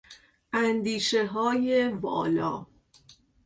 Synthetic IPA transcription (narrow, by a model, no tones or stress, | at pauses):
ʔænd̪iːʃeɦɒːjebɒ̰ːlɒ̰ː